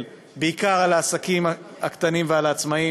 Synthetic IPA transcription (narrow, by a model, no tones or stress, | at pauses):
l | beikaʁalaːsakimaakt̪animvealaːt͡smai